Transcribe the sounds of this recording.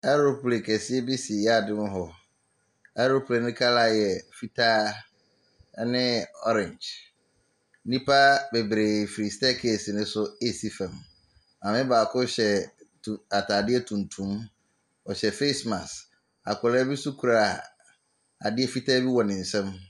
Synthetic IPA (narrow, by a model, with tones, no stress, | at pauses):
ɛ˦ɾo˦pʰu˨le˨kʰɛ˨sɪ˦ɛ˦bi˦si˨jɛ˦a˦˨dɪ̃˦mʊ̃˦ɦɔ˨ | ɛ˦ɾo˦pʰu˨le˨nɪ̃˦kʰa˦la˦˨jɛ˨fi˦tʰa˦ | nɪ̃˦ɔ̰˦ɾɪ̃˨ɲd͡ʒ | nĩ˦pʰa˦bɛ˨be˨fɾi˨stɛ˦kʰe˦˨si˨nɪ̃˦sʊ˦e˦si˦fɛ̃˨m | ã˨mɪ̃˦baː˨kʰʊ˦ɕɛ˨tʰa˨tʰa˨dɪ˦ɛ˦tʰũ˨ntʰũ˦m | ɔ˨ɕɛ˨fe˦smã˨s | a̰˨kʰʊ˨lɛ˦bi˦sʊ˦kʰu˨ɾa˨ | a˨dɪ˦ɛ˦fi˦tʰa˦bi˦wɔ˨nɪ̃˨n̩˨sɛ̃˦m